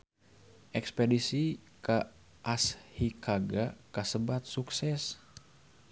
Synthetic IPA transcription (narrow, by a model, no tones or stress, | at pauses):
ʔɛkspɛdisika | ʔashikʰaɡakasəbat̪̚suksɛs